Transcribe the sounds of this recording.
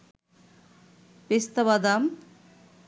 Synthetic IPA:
pest̪aβad̪am

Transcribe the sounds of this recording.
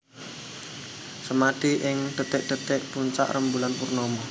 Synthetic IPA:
səmaɖ̥iʔɪŋd̥ət̪ɪk̚d̥ə̤t̪ɛk̚puɲt͡ʃa̰ʔrəmbulanpurnomɔ

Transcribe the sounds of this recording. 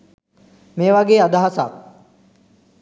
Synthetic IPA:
meːʋaɡeːad̪aɦasa̰ːk

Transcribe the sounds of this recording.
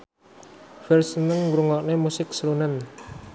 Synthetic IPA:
fɛlsənəŋɾuŋɔʔnemusɪk̚səɾunən

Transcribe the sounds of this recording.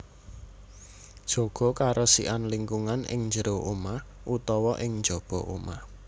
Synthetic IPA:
d̥ʒ̥o̤ɡ̥ɔ̤kaɾɔsḭʔanliŋkuŋanɪ̰ŋnd͡ʒəɾoʔomah | ʔut̪ɔwɔʔɪŋnd͡ʒɔb̥ɔ̤ʔo̰mah

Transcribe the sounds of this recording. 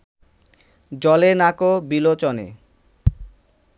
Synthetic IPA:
d͡ʑɔlenakobilot͡ɕonḛ

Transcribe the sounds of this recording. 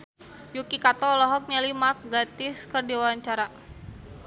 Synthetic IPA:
jukikat̪ɔlɔɦɔk̚ɲalimark̚ɡat̪ɪskərdiawaɲt͡ʃaɾa

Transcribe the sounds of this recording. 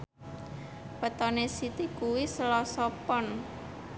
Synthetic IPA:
pət̪ɔnesit̪ikuwisəlɔsɔpɔn

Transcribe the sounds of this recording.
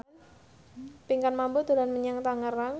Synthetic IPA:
piŋkanmambʊt̪ulanməɲaŋt̪aŋəraŋ

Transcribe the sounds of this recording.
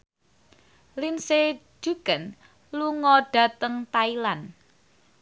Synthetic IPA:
linse̥ | d͡ʒ̥ṳɡ̥ən | luŋɔɖ̥a̤t̪əŋt̪ailan

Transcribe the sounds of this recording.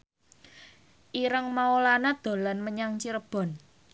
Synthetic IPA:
ʔiɾəŋmaolanad̪̥o̤lanməɲaŋt͡ʃiɾəb̥ɔ̤n

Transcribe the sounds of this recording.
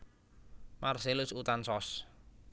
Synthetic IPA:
marselʊsut̪ansɔs

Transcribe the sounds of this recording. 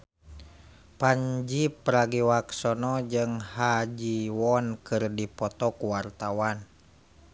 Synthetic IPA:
paɲd͡ʒipɾaɡiwaksɔnɔd͡ʒɨŋhad͡ʒiwɔnkɨrdipɔt̪ɔkuwart̪awan

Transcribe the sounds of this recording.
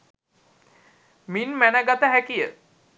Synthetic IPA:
minmænəɡat̪əɦækijə

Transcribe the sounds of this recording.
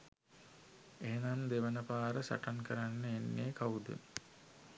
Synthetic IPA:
eenamd̪eʋənəpaːɾəsa̰ʈankəɾanːəenːeːkaud̪ə̰

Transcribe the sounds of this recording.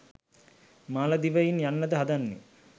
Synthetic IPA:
maːlɐd̪iʋɐjinjanːəd̪əɦad̪anːḛ

